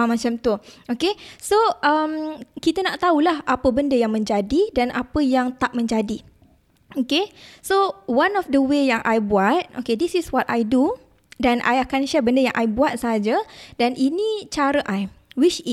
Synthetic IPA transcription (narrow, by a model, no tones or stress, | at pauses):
amãt͡ʃamt̪uokesoʔəmkit̪ənaʔt̪aulaɦʔapəbəndəjaŋmə̃ɲd͡ʒadidanʔapəjaŋt̪aʔ̚mə̃ɲd͡ʒadi | okesowanɔfdəwejaŋʔa̰jbuat̪̚okedisiswɔtajdu | danʔa̰jakanʃɛbəndəjã̰ŋʔajbuat̪̚saɦad͡ʒədanʔinĩt͡ʃaɾəʔajwit͡ʃit̚